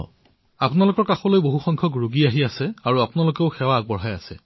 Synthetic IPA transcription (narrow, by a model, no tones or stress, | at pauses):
apʊnalʊkɔɹkaxɔlojboɦuxɔ̃ŋkʰɔɡɹuɡiaɦiasɛaɹuapunalʊkeʊxɛwaːɡ̚bɔɹɦaja̰sɛ̰